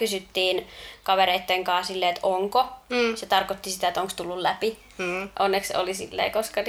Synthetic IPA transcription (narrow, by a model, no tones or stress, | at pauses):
kysyt̪ːiːnkɑʋeɾeit̪ːeŋkɑːsilːeet̪oŋkoset̪ɑrkot̪ːisit̪æet̪oŋkst̪ulːullæpi | ʔonːekso̰lisḭlːḛikoskɑn